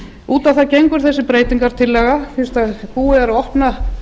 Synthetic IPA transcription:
uːt̪awθaðcejŋkʏɾ̥θɛsːɪpɾeːjt̪iŋkaɾ̥t̪ʰɪlːɛɣafɪnst̪aðpuːɪaɾɔhpna

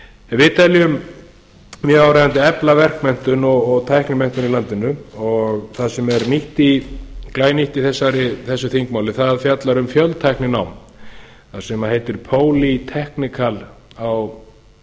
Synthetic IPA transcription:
ɛvɪːt̪aljʏm | mjɛawɾevant̪ɪɛplavɛr̥kmɛn̥t̪ʏnɔɣɔɣt̪ʰajhknɪmɛn̥t̪ʏnilant̪ɪnʏɔɣθaðsɛmɛɾniht̪iklaːjniht̪iθɛsːaɾɪθɛsːʏθiŋkmawlɪθaðfjat̪laɾʏmfjœlt̪ʰajhknɪnaːwm | θaðsɛmaheːjt̪ɪɾ̥pʰoːwlit̪ʰɛhknɪkʰal | aw

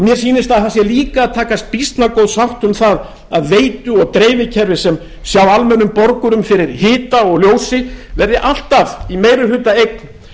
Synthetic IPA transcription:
mjɛɾ̥s̬iːnɪst̪aðθasjɛliːkaːðt̪ʰaːkast̪̚pist̪nakowðsawht̪ʏmθað | aðveːjt̪ʏɔɣt̪ɾeːjvɪcʰɛɾvɪsɛm | sjawalmɛnːʏmpɔɾkʏɾʏmfɪɾɪɾ̥hɪːt̪aɔɣljoːwsɪvɛɾðɪʔal̥t̪avimeːjɾʏɦʏːt̪aejk̚n

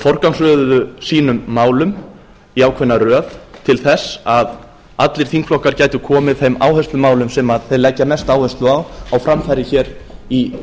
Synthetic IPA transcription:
fɔr̥kansœːððʏsiːnʏmːaːwlʏm | iaːwkʰvɛnːarœːðt̪ʰɪlθɛsːað | at̪lɪɾ̥θiŋkflɔhkaɾcaːjt̪ʏkʰɔːmɪðθejma̰ːwhœst̪ʏmaːwlʏmsɛmaðθejðlɛcːamɛst̪aːwhœst̪lʏawawfɾamfajɾɪçɛːɾ | i

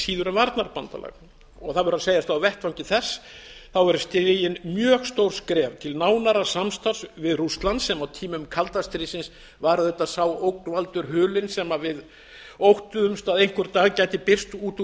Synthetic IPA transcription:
siːðʏɾʏmvaɾt̪naɾpant̪a̰la̰ɣ | ɔɣθaðvʏɾaseːjast̪aawvɛht̪vawɲcɪθɛsːθawɛɾʏst̪ɾɪjɪnmjœːɣst̪owɾ̥skɾɛːvt̪ʰɪlnaːwnaɾasamst̪asvɪðrust̪lansːɛmawt̪ʰiːmʏmkʰalt̪ast̪ɾɪsɪns | vaːɾɪθɛt̪asaːwowknvalt̪ʏɾɦʏːlɪnsɛmavɪð | owht̪ʏʏmst̪aːðejn̥kʏɾt̪ːaːɣcaːjt̪ɪpɪr̥st̪uːt̪

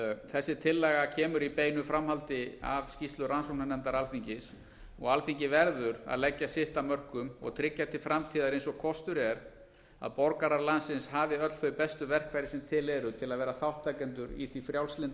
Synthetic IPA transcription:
θɛsːɪt̪ʰɪlːɛːɣacʰɛːmʏɾipeːjnʏfɾamhalt̪ɪa̰vscist̪lʏransɔwnanɛnt̪aɾalθiɲcɪs | ɔɣalθiɲcɪvɛɾðʏɾa̰ðlɛcːasɪht̪amœr̥kʏmɔ̰ɣt̪ʰɾɪcːat̪ʰɪlfɾamt̪ʰiːðaɾejnsɔɣkʰɔst̪ʏɾɛɾ | a̰ðpɔɾkaɾaɾlansɪnshaːvɪœt̪l̥θœɥpɛst̪ʏvɛr̥kvajɾɪsɛmt̪ʰɪlɛɾʏt̪ʰɪlaðvɛːɾaθawht̪ʰːakɛnt̪̬ʏɾḭθifɾjawlslɪnt̪

